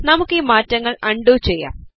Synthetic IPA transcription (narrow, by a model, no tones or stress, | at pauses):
nɐmukːɨiːmaːtːɐŋːɐɭɐɳɖut͡ɕejːa̰ːm